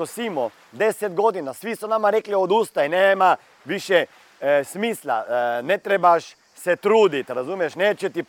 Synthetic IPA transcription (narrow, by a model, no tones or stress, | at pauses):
osiːmɔ | d̪ɛsɛd̪ɡod̪inasʋisɔnamaɾɛkliod̪uːst̪ainɛma | ʋiʃjɛ | smiːsla̰nɛt̪ɾebaʃ | sɛt̪ɾuːd̪it̪ɾazuːmɛʃnɛt͡ʃɛt̪ip